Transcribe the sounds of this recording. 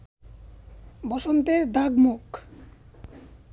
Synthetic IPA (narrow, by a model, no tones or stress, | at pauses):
bɔʃont̪eɾd̪aɡmuk